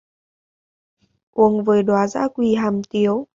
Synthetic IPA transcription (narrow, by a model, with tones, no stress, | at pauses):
ʔu˧˩əŋvəː˨˦jɗwaː˨˦za̰ː˧˥kwi˧ɦaː˨˩mt̪i˨˦əw